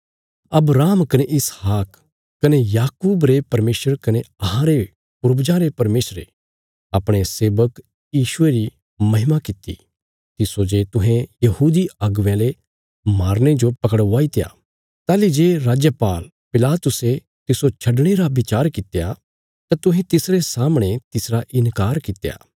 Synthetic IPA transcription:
ɐbɾaːmkɐneʔɪshaːkː | ɐnejaːkuːbɾepɐɾmeːsəɾkɐneɐɦãɾe | pʊɾbd͡ʒãɾepɐɾmeːsɾḛ | ɐpɽ̃eseːbək | jiːʃʊeɾi | mɐɦɪmakɪt̪ḭ | t̪ɪsod͡ʒeːt̪ʊ̃ɦɛ̃jɐhuːd̪iɐɡʋjẽle | maːɾñed͡ʒopɐkəɽaːit̪ja̰ː | t̪aːlid͡ʒeːɾaːd͡ʒjəpaːl | pɪlaːt̪ʊse | t̪ɪsot͡ʃʰɐɖɽ̃eɾaʋɪt͡ʃaːɾkɪt̪eja | t̪ãt̪ʊɦẽt̪ɪsɾesaːmɽ̃et̪ɪsɾaʔɪnkaːɾkɪt̪eja̰ː

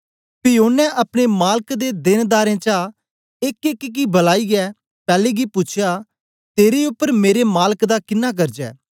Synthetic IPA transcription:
pɪjoːnɛ̃ʔɐpɽ̃emaːlkd̪ed̪ɪnd̪aːɾẽːt͡ʃa | ɪkɪkk̬ibəlaːiɡɛː | pɛːleɡipʊt͡ʃʰja | t̪eːɾeʊpːəɾmeːɾemaːləkd̪akɪnːak̬ɐɾd͡ʒɛ̰ː

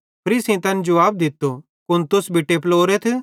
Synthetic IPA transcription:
pʰɐɾiːsĩt̪ɐ̃nd͡ʒʊʋaːb̚d̪ɪt̪ːo | kʊ̃nt̪ʊsbʱɪʈːeploːɾet̪ʰ

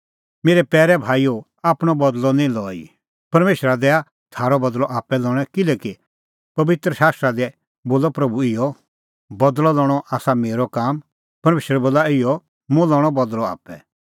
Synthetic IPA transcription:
meːɾɛpɛːɾɛbʱaːio | aːpɽ̃ɔbɐd̪lɔnĩlɔːḭ | pɐɾmeːʃɾad̪ɛːa | t̪ʰaːɾɔbɐd̪lɔʔaːpɛlɔːɽ̃ɛkɪlɛːki | pɐʋɪt̪ɾəʃaːst̪ɾad̪ɛ | boːlɔpɾɐbuɪjɔ | bɐd̪lɔlɔːɽ̃ɔʔaːsameːɾɔkaːm | pɐɾmeːʃəɾɛboːlaɪjɔ | mʊ̃lɔːɽ̃ɔbɐd̪lɔa̰ːpɛ

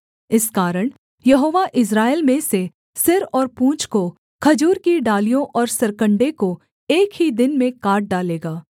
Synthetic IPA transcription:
ɪskaːɾəɽ̃ | jɐɦoːʋaʔɪs̬ɾaːeɪlmẽse | sɪɾɔːɾpũːt͡ʃko | kʰɐd͡ʒuːɾkiɖaːlijõʔɔːɾsɐɾkə̃ɳɖeko | eːkɦid̪ɪnmẽkaːɾʈ̚ɖaːleːɡaː

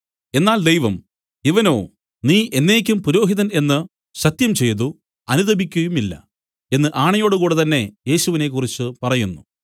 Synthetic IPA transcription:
e̞nːaːld̪ejʋɐm | iʋɐno̞ː | niːʔe̞nːe̞ːk̬ʲːumpuɾo̞ːɦiðɐne̞nːɨ | ɕɐt̪jɐmt͡ɕe̞jt̪u | ɐnuðɐbʱikʲːujumilːɐ̰ | e̞nːɨʔaːɳɐjo̞ːɽukuːɽet̪ɐnːe̞je̞ːɕuʋine̞k̬ːurit͡ɕːɨpɐrɐjunːu

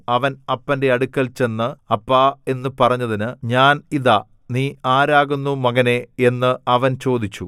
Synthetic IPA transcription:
ɐʋɐnɐpːɐnde̞ɐɽukʲːɐlt͡ɕe̞nːɨɐpːae̞nːɨpɐrɐɲːɐðinɨɲaːniða | niːaːɾaːɣunːumɐɣɐnee̞nːɨɐʋɐnt͡ɕo̞ːd̪it͡ɕːṵ

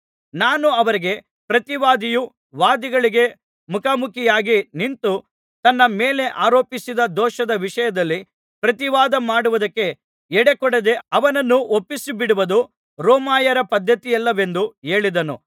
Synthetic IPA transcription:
naːnuɐʋɐɾiɡe̞ | pɾɐt̪iʋaːd̪iju | ʋaːd̪iɡɐɭiɡe̞ | mukʰamukʰijaːɡinint̪u | t̪ɐnːɐmeːle̞ʔaːɾoːpisid̪ɐd̪ɔːʃɐd̪ɐʋiʂɐjɐd̪ɐlːi | pɾɐt̪iʋaːd̪ɐmaːɽuʋud̪ɐkːe̞ | ɛɽekɔɽed̪e̞ɐʋɐnɐnːuopːisibiɽuʋɐd̪u | ɾɔːmaːjɐɾɐpɐd̪ʱːɐt̪ijɛlːɐʋe̞nd̪ue̞ːɭid̪ɐnṵ

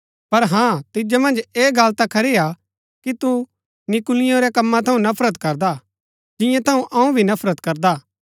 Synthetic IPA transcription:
pɐɾɦãt̪ɪd͡ʒamɐ̃nd͡ʒeːɡɐlt̪akʰɐɾɪja | kit̪u | nɪkʊlɪjõɾɛkɐmːãt̪ʰɐũnɐpʰɾət̪kɐɾd̪a | d͡ʒɪ̃jãt̪ʰɐũʔɐũbʱinɐpʰɾət̪kɐɾd̪aː

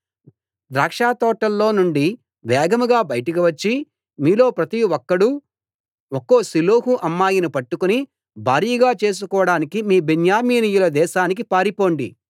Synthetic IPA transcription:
d̪ɾaːkʂaːt̪ɔːʈːɐlːo̞ːnuɳɖi | ʋɛːɡɐmuɡaːbɐjɐʈɐk̬iʋɐt͡ʃːi | miːlo̞ːpɾɐt̪iɔkːɐɽu | okːoːsiloːɦuʔɐmːaːjinupɐʈːukuni | bʱaːɾijɐɡaːt͡ʃe̞ːs̬ukɔːʋɐɽaːnikimiːbenjaːmiːnijulɐd̪ɛːʃaːnik̬ipaːɾipo̞ːɳɖḭ

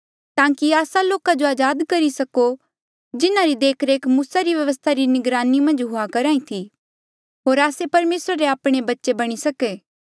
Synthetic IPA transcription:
t̪ãːkiaːsaloːkad͡ʒoaːd͡ʒaːd̪kɐɾisɐko | d͡ʒɪnaɾid̪eːkʰɾeːkmuːsaɾiʋjɐʋəst̪ʰaɾinɪɡɾaːnimɐ̃nd͡ʒɦʊakɐɾaːĩt̪ʰi | ɦoːɾaːsepɐɾmeːsɾaɾeaːpɽ̃ebɐtːʃebɐɽ̃isɐkeː

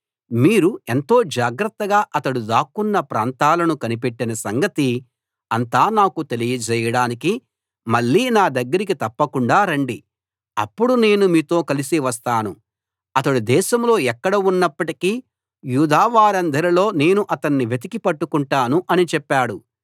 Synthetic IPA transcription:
miːɾue̞nt̪o̞ːd͡ʒaːɡɾɐt̪ːɐɡaːʔɐt̪ɐɽud̪aːkunːɐpɾaːnt̪aːlɐnukɐnipe̞ʈːinɐsɐŋɡɐt̪i | ɐnt̪aːnaːkut̪e̞lijɐd͡ʒɛːjɐɽaːniki | mɐɭːiːnaːd̪ɐɡːɐɾik̬it̪ɐpːɐkuɳɖaːɾɐɳɖi | ɐ̰pːuɽune̞ːnumiːt̪o̞ːkɐlisiʋɐst̪aːnu | ɐt̪ɐɽud̪ɛːʃɐmlo̞ːɛkːɐɽɐunːɐpːɐʈikiː | juːd̪ʱaːʋaːɾɐnd̪ʱɐɾilo̞ːne̞ːnuʔɐt̪ɐnːiʋe̞t̪̬ikipɐʈːukuɳʈaːnuʔɐnit͡ʃɛpːaːɽu

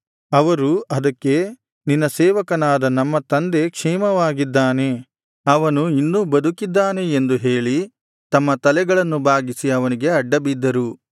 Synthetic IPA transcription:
ɐʋɐɾuɐd̪ɐkːe̞ | ninːɐsɛːʋɐkɐnaːd̪ɐnɐmːɐt̪ɐnd̪e̞kʂɛːmɐʋaːɡid̪ːaːne̞ | ɐʋɐnuinːuːbɐd̪ukid̪ːaːne̞ːnd̪uɦeːɭi | t̪ɐmːɐt̪ɐlɛɡɐɭɐnːubʱaːɡisiɐʋɐniɡe̞ɐɖːɐbid̪ːɐɾu

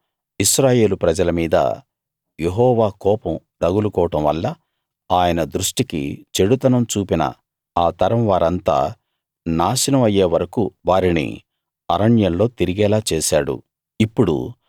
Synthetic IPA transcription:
iʃɾaːje̞ːlupɾɐd͡ʒɐlɐmiːd̪ɐ̰ | je̞ɦɔːʋaːkɔːpɐm | d̪ɐɡulukɔːʈɐmʋɐlːɐ | aːjɐnɐd̪ɾuʂʈikḭt͡ʃe̞ɽut̪ɐnɐmt͡ʃuːpinɐ̰ | aːt̪ɐɾɐmʋaːɾɐnt̪a̰ː | naːʃinɐmɐjːeːʋɐɾɐkuʋaːɾinḭ | ɐɾɐɳjɐnlo̞ːt̪iɾiɡɛːlaːt͡ʃeːʃaːɽṵ | ipːuɽṵ

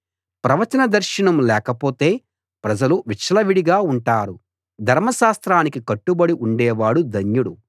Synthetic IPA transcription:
pɾɐʋɐt͡ʃɐnɐd̪ɐɾʃɐɳɐmlɛːkɐpoːt̪e̞ː | pɾɐd͡ʒɐluʋit͡ʃːɐlɐʋiɽiɡaːuɳʈaːɾu | d̪ʱɐɾmɐʃaːst̪ɾaːnikikɐʈːubɐɽiʔuɳɖɛːʋaːɽud̪ʱɐɲjuɽu

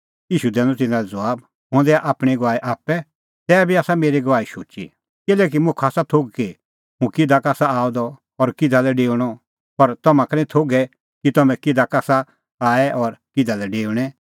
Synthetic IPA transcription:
iːʃud̪ɛ̃ːnɔt̪̬ɪnãɾɛd͡zɐʋaːb | ɦõːnd̪ɛʔaːpɽ̃iɡʋaːiʔaːpɛ | t̪ɛːbʱiaːsameːɾiɡɐʋaːiʃoːt͡ʃḭ | kɪlɛːk̬imʊ̃kʰaːsat̪ʰoɡki | ɦũkɪd̪ʱakaːsaaːɔd̪ɔ | ɔɾkɪd̪ʱalɛɖeːɽ̃ɔ | pɐɾt̪ɐmãkɐnɛ̃ĩt̪ʰoɡɛ | kit̪ɐmɛ̃kɪd̪ʱakaːsa | aːɛʔɔɾkɪd̪ʱalɛɖeːʊɽ̃ɛ

